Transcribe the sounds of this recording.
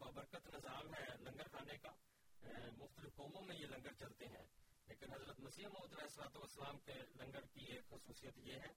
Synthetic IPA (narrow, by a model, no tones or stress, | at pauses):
baːbəɾkət̪nɪzaːlɦɛlɐ̃ŋɡəɾkʰaːneka | mʊxt̪əlɪfkɔːmõmẽjelɐ̃ŋɡəɽt͡ʃɐlt̪eɦɛ̰̃ː | leːkɪnɦɐzɾət̪mɐsiːəmoːd̪ɾaeslaːt̪uʋəsːəlaːmkelɐ̃ŋɡəɽkieːkxʊsuːsijət̪jeɦɛ̃ː